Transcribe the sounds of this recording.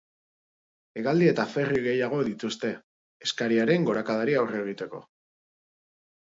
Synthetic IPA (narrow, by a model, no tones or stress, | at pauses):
e̞ɣald̪ie̞t̪afe̞riɣe̞jaɣ̞o̞ðit̪ust̪e̞ː | skaɾiaɾe̞ŋɡo̞ɾakaðaɾiawre̞ɣ̞it̪e̞ko̞̰